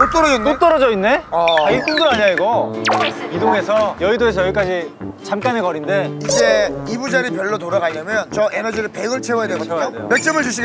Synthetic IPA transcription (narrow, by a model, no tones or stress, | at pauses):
tot͈ʌɾʌd͡ʑʌnot͈ʌɾʌd͡ʑʌinːe̞ʌaik͈uŋɡɯɾaɲaiɡʌ | idoŋe̞sʰʌjʌidoes̬ʰʌjʌik͈ad͡ʑit͡ɕamk͈aneɡʌɾinde̞id͡ʑeibud͡ʑaɾipjʌɭːotoɾaɡaɲamjʌnt͡ɕʌʔenʌd͡ʑiɾɯɭpe̞ɡɯɭt͡ɕʰeʌjadeɡoadejomek̚t͡ɕ͈ʌmɯɭt͡ɕuɕ̬ʰi